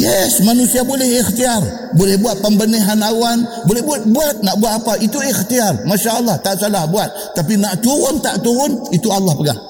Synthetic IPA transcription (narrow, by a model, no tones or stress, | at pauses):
jɛsmanusiabolɛhixt̪iar | bolɛhbuat̪̚pəmbəneɦanawanbolɛhbuat̪̚buat̪̚naʔbuat̪apaʔit̪uixt̪iarmaʃaʔəlːaht̪aʔsalahbuat̪̚ːapinaʔt̪uɾʊnt̪aʔt̪uɾʊnit̪ualːahpəɡa̰h